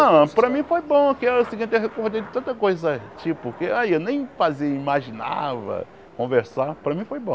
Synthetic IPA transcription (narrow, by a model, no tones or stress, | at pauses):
ɐ̃pɾɐmĩfojbõɐkiewsiɡĩnt̪eɦekohd̪ejd̪ʊt̪ɐ̃nt̪ɐkojzɐt͡ʃipʊkeajewnẽj̃faziɐimaʒina̰vɐ̰ | kõveɾsapɾɐmĩfojbõ